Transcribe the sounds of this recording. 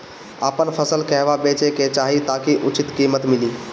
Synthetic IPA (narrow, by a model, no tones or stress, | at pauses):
aːpənpʰəsəlkəɦʋabeːt͡ʃeket͡ʃaːɦit̪aːkiʔʊt͡ʃɪt̪kiːmət̪mɪliː